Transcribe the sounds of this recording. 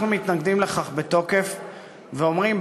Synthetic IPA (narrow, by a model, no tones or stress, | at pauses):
numit̪naɡd̪imle̞χaχbeto̞ke̞f | veomʁim